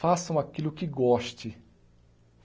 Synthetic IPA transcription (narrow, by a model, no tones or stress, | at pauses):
asɐ̃w̃akilʊkɪɡɔʃt͡ʃɪ